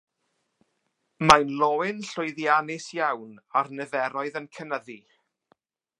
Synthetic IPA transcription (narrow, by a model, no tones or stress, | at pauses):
majnlˠɔɪnɬʊjðjanɪsjawnarnɛðɛɾɔɨðənkʰənəði